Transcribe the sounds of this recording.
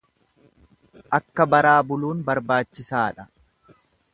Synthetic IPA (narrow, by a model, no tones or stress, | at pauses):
ʔɐkːɐbɐɾaːbʊluːnbɐɾbaːt͡ʃːɪsaːᶑɐ